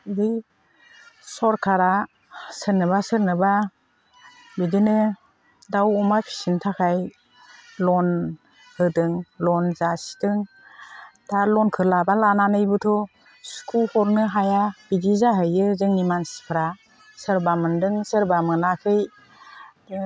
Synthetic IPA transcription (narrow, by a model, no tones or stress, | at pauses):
dɯj | sɔɾkʰaɾa | sɯɾnɯβasɯɾnɯba | bidinɯ | dawɔmapʰi̥sintʰakʰaj | lɔn | hɯdɯŋlɔnzasi̥dɯŋ | d̥alɔnkʰɯlabalananɯjbɯtʰɔ | skʰulhɔɾnɯɦajabidizaɦɯjɯzɯŋnimansi̥pʰɾa | sɯɾbamɯndɯŋsɯɾbamɯnakʰɯj